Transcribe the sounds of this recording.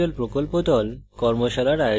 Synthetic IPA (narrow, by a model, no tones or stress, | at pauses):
olpɾokolpod̪ɔlkɔɾmoʃalaɾajo